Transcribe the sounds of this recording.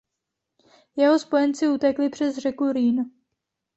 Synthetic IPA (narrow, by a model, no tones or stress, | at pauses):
jɛɦospo̞jɛnt͡sɪut̪ɛklɪpr̝̥ɛzrɛkuɾiːn